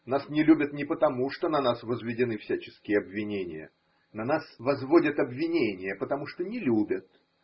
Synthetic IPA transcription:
nasnʲɪlʲubʲət̪nʲɪpət̪ɐmuʂt̪o̞nɐnasvəzvʲɪdʲɪnɨfsʲæt͡ɕɪskʲɪjəɐbvʲːɪnʲenʲɪ̰jə̰ | nɐnasvɐzvodʲət̪ɐbvʲɪnʲenʲɪjəpət̪ɐmuʂt̪onʲɪlʲubʲət̪̚

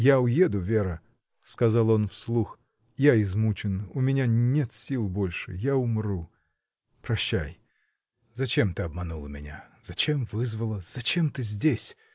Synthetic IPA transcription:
jaʊjed̪ʊvʲe̞ɾə | skɐzɑlˠo̞nfslˠux | jaɪzmut͡ɕɪnʊmʲɪnʲanʲet̪sʲilˠbo̞lʲʂɨ̰jaʊmɾu | pɾɐɕːaj | zɐt͡ɕemt̪ɨɐbmɐnulˠəmʲɪnʲa̰zɐt͡ɕemvɨzvəlˠəz̥ɐt͡ɕemt̪ɨzʲdʲesʲ

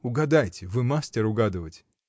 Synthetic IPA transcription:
ʊɡɐd̪ajtʲɪvɨmasʲtʲɪɾʊɡad̪ɨvətʲ

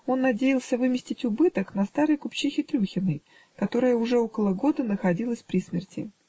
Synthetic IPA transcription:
o̞nːɐdʲejɪlˠsʲəvɨmʲɪsʲtʲɪtʲʊbɨt̪əknɐst̪aɾəjkʊpt͡ɕixʲɪt̪ɾʲuxʲɪnːɨj | kɐt̪o̞ɾɨjəʊʐɛo̞kəlˠəɡo̞d̪ənəxɐdʲilˠəsʲpɾʲismʲɪrtʲɪ̰

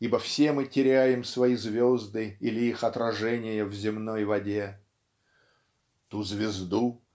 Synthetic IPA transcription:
ibəfsʲe̞mɨtʲɪɾʲæjɪmsvɐizvʲozd̪ɨilʲɪixɐt̪ɾɐʐɛnʲɪjəvzʲɪmno̞jvɐdʲe | t̪uzvʲɪzd̪u

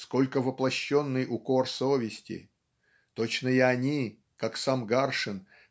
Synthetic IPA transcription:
sko̞lʲkəvəplˠɐɕːo̞nːɨjʔʊko̞rsovʲɪsʲtʲɪ̰ | t̪ot͡ɕnəɪɐnʲi | kaksamɡarʂɨn

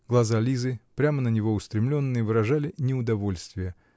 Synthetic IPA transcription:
ɡ̥lˠɐzalʲizɨpɾʲamənənʲɪvo̞ʊst̪ɾʲɪmlʲo̞nːɨjəvɨɾɐʐalʲɪnʲɪʊd̪ɐvo̞lʲst̪vʲɪjə

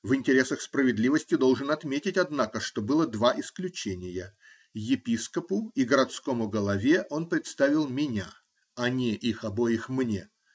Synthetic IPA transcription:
vɪnʲtʲɪɾʲe̞səxspɾəvʲɪd̪lʲivəsʲtʲɪd̪o̞lˠʐɨnɐt̪mʲetʲɪtʲɐd̪nakəʂt̪o̞bɨlˠəd̪vaʔɪsklʲʉt͡ɕenʲɪjə | jɪpʲiskəpʊiɡəɾɐt̪sko̞mʊɡəlˠɐvʲe̞ʔo̞npɾʲɪt̪st̪avʲɪlˠmʲɪnʲa | ɐnʲɪʔixɐbo̞jɪxmnʲe

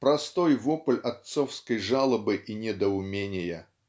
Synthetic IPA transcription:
pɾɐst̪ojvopɨlʲɐt̪sofskəjʐalˠəbɨʔinʲɪd̪əʊmʲenʲɪjə

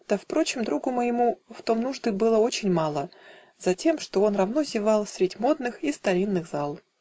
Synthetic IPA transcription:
t̪əfpɾo̞t͡ɕɪmd̪ɾuɡʊməjɪmuft̪o̞mnuʐd̪ɨbɨlˠəo̞t͡ɕɪnʲmɑlˠə | z̥ɐtʲe̞mʂt̪o̞o̞nrɐvno̞zʲɪvɑlˠsʲɾʲɪdʲmo̞d̪̚nɨxist̪ɐɾʲinːɨɣzɑlˠ

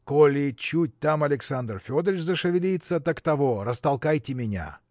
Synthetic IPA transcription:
kolʲɪt͡ɕːut̚ʲt̪amɐlʲɪksand̪rfʲod̪ɾʲɪt͡ɕzəʂɨvʲɪlʲijt̪sət̪ɐkt̪ɐvoɾəst̪ɐlˠkajtʲɪmʲɪnʲa̰

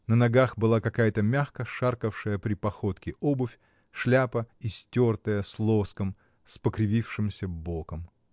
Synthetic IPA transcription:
nənɐɡaxbɨlˠakɐkajət̪əmʲaxkəʂarkəfʂɨjəpɾʲɪpɐxo̞t̪kʲɪʔobʊfʲ | ʂlʲapəisʲtʲort̪əjəslˠo̞skəm | spəkɾʲɪvʲifʂɨmsʲəbokəm

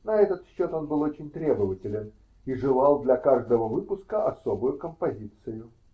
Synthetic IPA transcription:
nɐɛt̪ət̪ɕːo̞t̪o̞nbɨlˠo̞t͡ɕɪnʲt̪ɾʲe̞bəvətʲɪlʲɪn | iʐɨlˠɑlˠd̪lʲɐkaʐd̪əvəvɨpʊskəʔɐso̞bʊjʊkəmpɐzʲit̪sɨjʊ

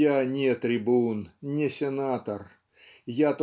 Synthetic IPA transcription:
anʲɪt̪ɾʲɪbunnʲɪsʲɪnat̪ər | jat̪

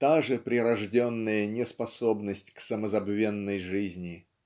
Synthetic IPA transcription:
t̪aʐɨpɾʲɪɾɐʐdʲonːəjənʲɪspɐso̞bnəsʲtʲksəməzɐbvʲe̞nːəjʐɨzʲnʲɪ

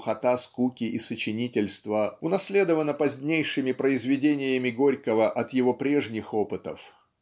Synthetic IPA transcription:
xɐt̪askukʲɪʔɪsət͡ɕɪnʲitʲɪlʲst̪vəʊnɐsʲlʲed̪əvənəpɐzʲnʲejʂɨmʲɪpɾəɪzvʲɪdʲenʲɪjəmʲɪɡo̞ɾʲkəvəʔɐt̪jɪvo̞pɾʲeʐnʲɪxo̞pɨt̪ə̰f

